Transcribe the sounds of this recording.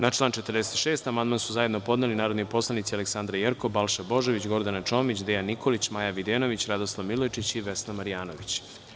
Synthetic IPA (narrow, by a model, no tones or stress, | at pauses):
nat͡ʃlˠaːnt͡ʃet̪ərɾd̪eset̪ʃe̞ːst̪amand̪mansuzaje̞d̪no̞po̞d̪nelinaːɾod̪nipo̞slˠanit̪sialeksand̪ɾajeɾkobalˠʃabo̞ʒoʋit͡ɕɡo̞ɾd̪anat͡ʃo̞mit͡ɕd̪ejaniko̞lit͡ɕmajaʋid̪eːno̞ʋit͡ɕɾad̪oslˠaʋmilojt͡ʃit͡ɕiʋesnamaɾijaːno̞ʋit͡ɕ